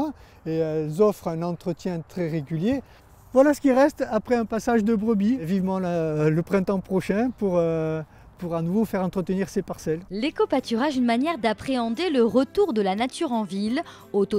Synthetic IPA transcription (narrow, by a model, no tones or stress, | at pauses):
elzɔfχɛ̃nɑ̃t̪χət̪jɛ̃t̪χɛʁeɡʲylje | vwalasə̥kʲiʁɛst̪apχɛɛ̃pasaʒd̪əbʁəbivivmɑ̃laləpχɛ̃t̪ɑ̃pχɔʃɛ̃puʁø | puʁanuvofɛʁɑ̃t̪χət̪əniʁsepaʁsɛllekopat̪yʁaʒynmanjɛʁd̪apχeɑ̃d̪eləʁət̪uʁd̪əlanat̪ʰyʁɑ̃vil | ot̪o